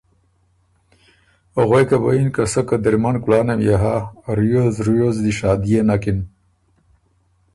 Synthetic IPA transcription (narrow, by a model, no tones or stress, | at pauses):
oɣejkaboinkasəkad̪iɾmankulaːnemjaɦaɾujozɾujozd̪iʃaːd̪ijenakin